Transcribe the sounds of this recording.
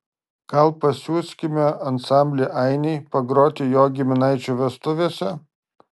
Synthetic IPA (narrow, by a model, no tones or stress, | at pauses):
ɡɐlˠpɐsʲuːsʲkʲɪmʲɛɐnsɑˑmʲbʲlʲeʔɐɪnʲɛɪpɐɡɾoːt̪ʲɪjoːɡʲɪmʲɪnɐɪt͡ʃʲuːʋʲɛst̪ʊʋʲeːsʲɛ